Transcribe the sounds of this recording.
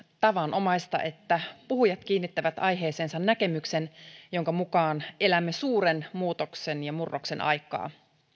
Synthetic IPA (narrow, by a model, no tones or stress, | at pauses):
t̪ɑʋɑnʔo̞mɑjst̪ɑ̰ʔe̞t̪ːæpuɦujɑt̪k̟iːnːit̪ːæʋæt̪ɑjɦe̞ːseːnsɑnːnæke̞mykse̞njo̞ŋkɑmukɑːne̞læmːesuːɾenmuːt̪oksenjɑmurːoksenʔɑ̰jkːˑɑ̰ː